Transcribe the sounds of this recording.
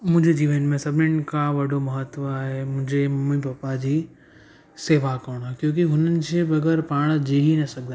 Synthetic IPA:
mʊ̃ɦɪ̃ɲd͡ʑed͡ʑiːʋənmẽsɐbʱɪnənkaʋɐɖʱomɐɦət̪ʋaːɦemʊ̃ɦɪ̃ɲd͡ʑemɐmĩpɐpad͡ʑiː | seːʋakoːɽ̃akjõːkiɦʊnənɪ̆d͡ʑeːbɐɡəɾpaːɽ̃d͡ʑiːɦinɐsɐɡ̚ʱd̪a

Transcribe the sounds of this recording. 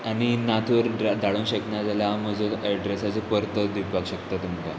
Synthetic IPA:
añinat̪ʰʋəɾd̪aɭuːnɕəknjad͡zaljaməd͡zʱoɛɖɾesat͡sepəɾt̪əd̪ibʱaɡɕəkt̪at̪emɡ̪a

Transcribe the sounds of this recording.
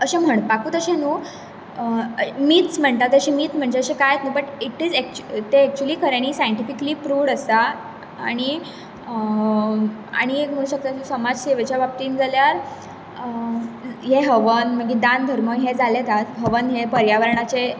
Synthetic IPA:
əɕem̤əɳ̃pakuːt̪əɕẽnuː | əmiːt̪t͡sm̤əɳt̪at̪əɕimiːt̪m̤əɳd͡ʑeəɕẽkajet̪nəbəʈiʈid͡zek̚t͡ɕt̪eːk̚t͡ɕuəliːkʰəɾjaniːsajəɳʈifikəliːpɾuːʋɽəst̪a | a̰ɽ̃i | ə | a̰ɽ̃ikm̤əɽ̃ũɕək̚t̪asesəmad͡zɕeʋet͡ɕjabap̚t̪iːnd͡zaljaɾ | ɦeɦəʋənm̤əɡed̪ãnd̪ʱəɾməɦed͡zalet̪at̪ɦəʋənɦepəɾjaʋəɾɳat͡se

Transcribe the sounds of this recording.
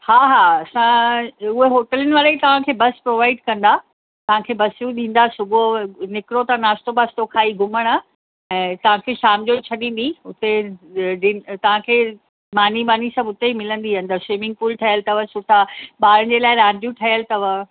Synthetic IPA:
haːɦaːɐsãʊɦeɦoːʈələnɪʋaːɾet̪ɐʋ̤ãkʰeːbɐspɾoːʋaːɪɖkɐ̃nd̪a | t̪ɐʋ̤ãkʰeːbɐsjũɗĩːn̆d̪asʊbonɪkɾot̪ɐnaːst̪obɐst̪okʰaːiɡʊməɽ̃ə̆ | ɛ̃ːt̪ɐʋ̤ãkʰeːʃaːmd͡ʑot͡ɕʰɐɗĩːn̆d̪iʊt̪eɖiːt̪ɐʋ̤ãkʰeː | maːnimaːnisɐ̃bʊt̪eimɪlə̃nd̪iɐ̃nd̪ɐseːmɪ̃ŋɡ̚puːlʈʰɐjəlt̪ɐʋəsʊt̪ʰaɓaːɾə̃d͡ʑelaːɪɾaːɖjũʈʰɐjəlt̪ɐʋə

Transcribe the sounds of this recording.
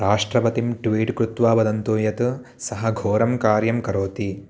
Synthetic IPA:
ɾaːʂʈɾɐbɐt̪imʈʋiːʈkɾut̪ʋaːbɐd̪ɐnt̪uːjɐt̪u | sɐɦɐɡʱoːɾɐmkaːɾjɐmkɐɾoːt̪i

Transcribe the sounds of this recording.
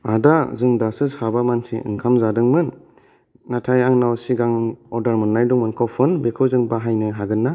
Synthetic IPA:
adazɯŋdasɯshabamansḭʔɯ̰ŋkʰamzadɯŋmɯnː | atʰajaŋnawsiɡaŋɔdaɾmɯnːajduŋmɯnkʰawpʰɯnbekʰɯwzɯŋbaɦajnɯɦaɡɯnːa

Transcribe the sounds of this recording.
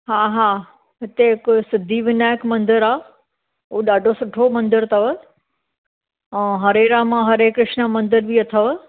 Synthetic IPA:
ɦaːɦaː | ɦɪt̪eɦɪksɪd̪ʱiʋɪnaːjkmɐ̃nd̪əɾaː | uːɗaːɖʱosʊʈʰomɐ̃nd̪əɾt̪ʰɐʋə | ɛ̃ːɦɐɾeːɾamãɦɐɾeːkːɾɪʃnəmɐ̃nd̪əɾbiɐt̪ʰəʋ

